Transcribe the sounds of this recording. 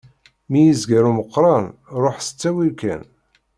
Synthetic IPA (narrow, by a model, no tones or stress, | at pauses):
mijizɡəɾuməqːɾˤɑnɾˤoħsə̥t͡sːæwikæ̰n